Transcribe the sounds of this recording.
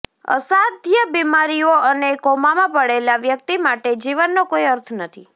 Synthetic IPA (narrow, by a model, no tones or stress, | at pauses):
ə̰sad̪ʱjəbimaɾioənekɔmamãpəɽelaʋjək̚t̪imaʈed͡ʒiʋənːokoiəɾt̪ʰnət̪ʰi